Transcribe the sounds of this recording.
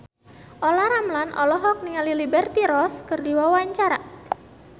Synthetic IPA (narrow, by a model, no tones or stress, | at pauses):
ʔolaɾamlanʔɔ̰lɔɦɔk̚niŋalilibɛrt̪iɾɔskərdiwawaɲt͡ʃaɾa